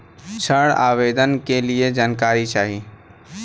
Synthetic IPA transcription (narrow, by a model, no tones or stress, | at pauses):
t͡ʃʰəɽa̰ːʋeːd̪ənkelied͡ʒaːnkaːɾit͡ʃaːɦi